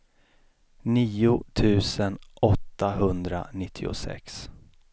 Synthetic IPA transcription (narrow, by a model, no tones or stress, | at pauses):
niːʊt̪ʰʉ̟ːsənʔɔt̪ːaɦɵnd̪ɾa̰nɪt̪ʰːɪʊ̰sɛ̰ks